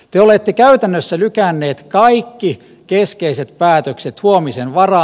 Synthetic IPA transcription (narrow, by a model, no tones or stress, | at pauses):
t̪eolet̪ːekæyt̪ænːøsːælykænːeːt̪kɑikːi | keskeiset̪̚pæːt̪økset̪huomisenʋɑrɑ